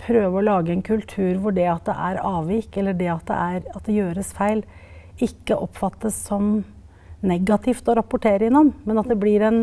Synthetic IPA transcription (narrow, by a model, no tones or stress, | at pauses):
pʰɾøːʋəɔlɑːɡəɛnkʰʉlt̪ʰʉːɾʋʊɖɛɑt̪̚d̪ɛ̰ʔæ̰ɾɑːʋɪkɛlːəɖɛɑt̪̚d̪ɛ̰ʔæɾɑt̪̚d̪ɛjøːɾəsfæɪl | ɪkːəʔɔpːfɑt̪ːəsːɔm | nɛɡɑt̪ʰɪft̪ɔɾɑpːʊʈʰeːɾəɪnɑnːmɛnɑt̪̚d̪ɛblɪɾɛn